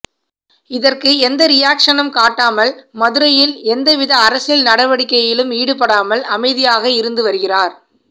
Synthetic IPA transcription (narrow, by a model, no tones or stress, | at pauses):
ɪðɐrkɯɛnd̪ɐɾɪjaːkʂɐnɐmkaːʈːaːmɐlmɐðɯɾɐjɪlɛnd̪ɐʋɪðɐːɾɐsɪlnɐɽɐʋɐɽɪkːɐjɪlɯmiːɽɯp̬ːɐɽaːmɐlɐmɐɪðɪjaːɣɐɪɾɯnd̪ɯʋɐɾɯɣɪraːɾ